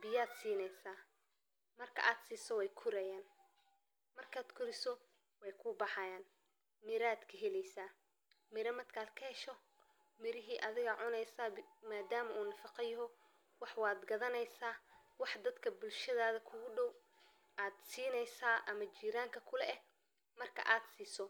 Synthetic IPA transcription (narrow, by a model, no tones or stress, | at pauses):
bɪjaːd̪siːnɛjsaː | mɐrkʰɐ̰ʔaːd̪siːsɔwɛjkʰʊɾɛjaːn | mɐrkʰaːd̪kʰʊɾɪsɔ | wɛjkʰʊːbɑħɑjaːn | mɪɾaːd̪kʰɐɦɛlɛjsaː | mɪɾɐmɐd̪kʰaːd̪kʰɐhɛʃɔ | mɪɾɪɦiːʔɐðɪɣɐʕʊnɛjsaːmaːd̪aːmɐʔuːnɐfɑqɑjɔɦɔ | wɑħwɑːd̪ɡɐðɐnɛjsaːwɑħd̪ɐd̪kʰɐbʊlʃɐðaːðɐkʰʊɣʊɖɔw | ʔaːd̪siːnɛjsaːʔɐmɐt͡ʃiːɾaːŋkʰɐkʰʊlɛʔɛ | mɐrkʰɐ̰ʔaːd̪siːsɔ